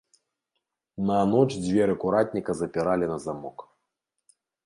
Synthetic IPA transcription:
nɐnɔt͡ʂd͡zʲvʲɛɾɨkuɾat̪ʲnʲikɐzɐpʲiɾalʲinɐzamɔk

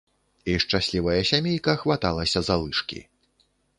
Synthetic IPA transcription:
iʂt͡ʂasʲlʲivɐjɐsʲamʲejkɐxvat̪alˠɐsʲɐzalˠɨʂkʲḭ

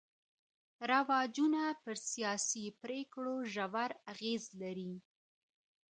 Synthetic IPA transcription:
ɾawɑd͡ʒunapəɾsijɑsipɾekɽoʒawaɾaɣezlaɾi

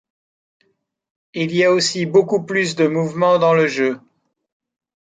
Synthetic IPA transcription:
iliaosibokuplys̬d̪əmuvmɑ̃d̪ɑ̃ləʒø

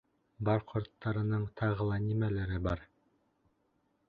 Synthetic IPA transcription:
bɑɾqʰŏɾt̪ːɑɾɤ̆nɤɴt̪ʰɑʁɤlˠɑnʲimælɘɾɘbɑɾ

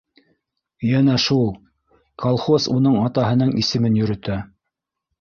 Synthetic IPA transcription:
jænæʃulˠ | kʰolˠχosunɤɴɑt̪ɑɦɤ̆nɤɴʔisɘ̆mɘnjɵ̆ɾɵ̆t̪æ

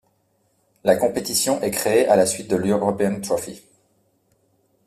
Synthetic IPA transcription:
lakɔ̃pet̪isjɔ̃ʔɛkχeeʔalasɥit̪̚d̪əløʁøʁɔpeɛnt̪χɔfi

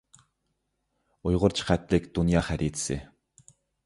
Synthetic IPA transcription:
ʊjʁʊ̆rt͡ɕχæːt̪ɮiːkt̪unjaːχæɾʲiːt͡s̪sɘ̰ː

